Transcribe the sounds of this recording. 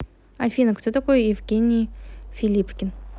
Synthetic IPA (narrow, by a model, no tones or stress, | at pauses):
ɐfʲinəkt̪ot̪ɐkojjɪvɡʲenʲɪjfʲɪlʲipkʲɪn